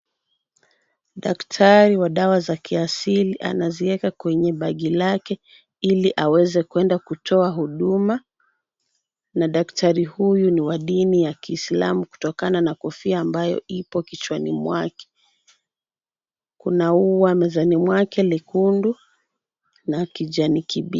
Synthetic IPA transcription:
ɗaktʰaɾiwaɗawazakiasiliʔa̰naziwɛkakwɛɲɛɓaɠilakɛ | iliʔawɛzɛkuɛndakutɔaɦuɗuma | naɗaktʰaɾihujuniwaɗinijakiːsla̰muku̥tɔkananakɔfiaːmbajɔ̰ʔipɔkit͡ʃwanḭmwakɛ̥ | kunauwamɛzanimwakɛlikundu | nakiʄanikiɓi

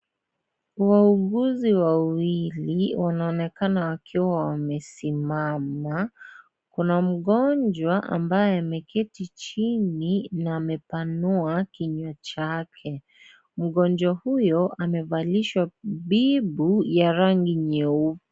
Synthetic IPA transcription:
wauɠuziwawiliwanaɔnɛkanawakʰiwawamɛsimama | kunam̩ɠɔnd͡ʒwaʔa̰mbajɛamɛkʰɛtit͡ʃininaːmɛpanuakiɲwat͡ʃakʰɛ | m̩ɠɔnd͡ʒwahujɔʔamɛvaliʃwaɓibujaɾaŋɡiɲɛup

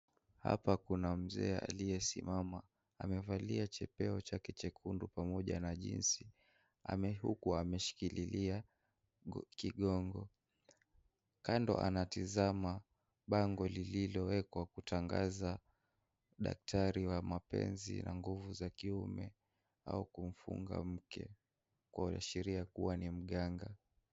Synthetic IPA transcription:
ha̰pakunam̩zɛːa̰lijɛsḭmamaː | mɛvaliat͡ʃɛpɛɔt͡ʃakɛt͡ʃɛkʰundupamɔʄa̰naʄḭnsi | a̰mɛhṵkuamɛʃi̥kililia | kiɠɔŋɡɔ | kandɔ̰ʔa̰natizama | ɓaŋɡɔlililɔwɛkwakutʰaŋɡaza | ɗa̰k̚tʰaɾiwamapɛ̰nzḭnaŋɡuvuzakiumɛ | a̰ukum̩fṵŋɡa̰m̩kʰɛ̰ | kwaua̰ʃɛɾiakuwanim̩ɠaŋɡa

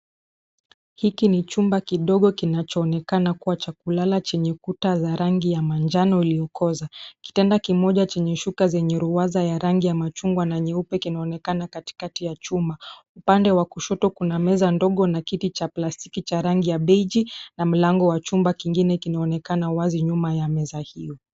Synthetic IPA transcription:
hikinit͡ʃumbakiɗɔɠɔkinat͡ʃɔːnɛkanakuwat͡ʃakulalat͡ʃɛɲɛkutazaɾaŋɡijamand͡ʒanɔilijɔkʰɔzaki̥tɛndakimɔʄat͡ʃɛɲɛʃukazɛɲɛɾuazajaɾaŋɡijamat͡ʃuŋɡwanaɲɛupɛkinaɔnɛkanakati̥katijat͡ʃumbaupandɛwakuʃɔtɔkunamɛzandɔɠɔnakitit͡ʃaplasti̥kit͡ʃaɾaŋɡijaɓɛd͡ʒinam̩laŋɡɔwat͡ʃumbakiŋɡinɛkinaɔnɛkanawaziɲumajamɛzahijɔ

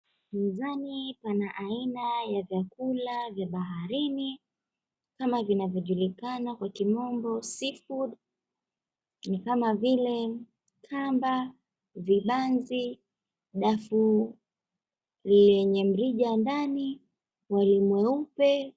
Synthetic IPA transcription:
mizanipanaʔainajavjakulavjaɓaɦaɾini | kamavinavjɔʄulikanakwakimɔmbɔsifud | nikamavilɛ | kʰamba | viɓanzi | ɗafu | lɛɲɛm̩ɾiʄandani | walimwɛupɛ

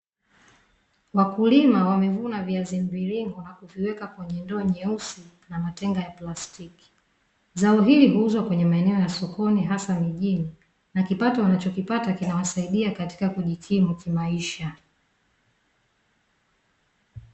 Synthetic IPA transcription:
wakulimawamɛvunaviazimbiliŋɡɔnakuviwɛkakwɛɲɛndɔːɲɛusi | namatɛŋɡajaplastiki̥ | zaɔɦiliɦuuzwakwɛɲɛmaɛnɛɔjasɔkɔniɦasamiʄini | nakipatɔwanat͡ʃɔkipatakinawasaiɗiakati̥kakuʄikʰimukimaiʃa

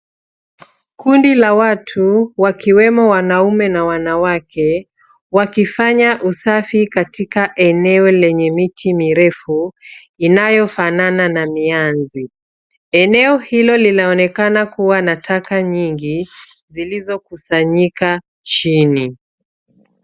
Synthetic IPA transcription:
kundilawatʰuwakiwɛmɔwanaumɛnawanawakʰɛ | wakifaɲaʔusafikatikaʔɛnɛɔlɛɲɛmitʰimiɾɛfu | inajɔfanananamianzi | ɛnɛɔhilɔlinaɔnɛkanakuwanatʰakaɲiŋɡi | zilizɔkusaɲika | t͡ʃini

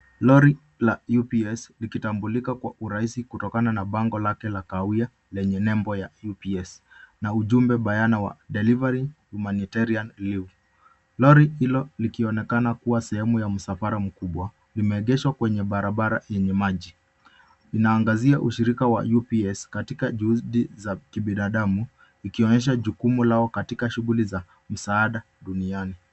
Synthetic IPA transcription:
lɔɾi | lajupiɛslikitambulikakwaʔuɾaisikutɔkananaɓaŋɡɔlakɛlakaua | lɛɲɛnɛmbɔjajupiɛs | nauʄumbɛɓajanawa̰ɗɛlivaɾihumanitaɾianliv | lɔɾihilɔlikiɔnɛkanakuwasɛhɛmujam̩safaɾam̩kuɓwa | limɛːɠɛʃwakwɛɲɛɓaɾaɓaɾa̰jɛɲɛmaʄi | inaːŋɡaziaʔuʃiɾikawa̰jupiɛskatikaʄuhuɗizakiɓinaɗamu | ikiɔɲɛʃ̬aʄukumulaɔkatikaʃuɣuliza | m̩saːɗa | ɗuniani

